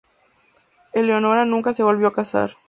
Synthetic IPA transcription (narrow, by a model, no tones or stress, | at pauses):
elːeonoɾanũŋkaseβolβjoakasa̰ɾ